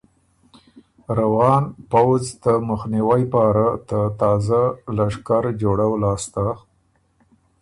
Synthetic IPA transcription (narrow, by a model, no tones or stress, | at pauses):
ɾawɑnpawzt̪aməxniwajpɑɾat̪at̪ɑzalaʂkaɾd͡ʒoɽawlɑst̪a